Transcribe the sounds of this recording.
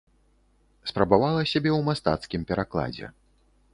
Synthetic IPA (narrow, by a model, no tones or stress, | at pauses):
spɾɐbavalˠɐsʲabʲɛwmast̪a̰t̪skʲimpʲɛɾaklˠa̰d͡zʲɛ̰